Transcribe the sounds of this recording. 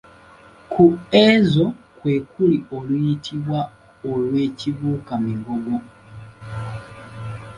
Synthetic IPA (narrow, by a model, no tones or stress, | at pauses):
kʰuezokwekuliolujitʰiβwa | olweːciβuːkamiɡoɡo